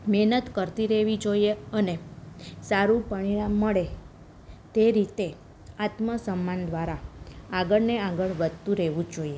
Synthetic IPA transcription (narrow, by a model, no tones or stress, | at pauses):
mɛɦnət̪kəɾt̪iɾɛʋid͡ʒoijeənesaɾũpəɳ̃iɭamːəɭe | t̪eɾit̪e | at̪məsəmːand̪ʋaɾaaɡəɭneaɡəɭʋəd̪ʱt̪ũɾɛʋũd͡ʒoie